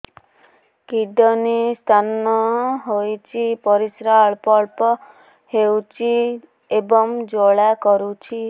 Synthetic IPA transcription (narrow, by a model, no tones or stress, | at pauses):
kiɖɔnist̪ʰanɔɦojt͡ʃʰipɔɾisɾaɭpɔɭpɔ | hewt͡ʃʰi | ebɔmd͡ʒoɭakɔɾut͡ʃʰi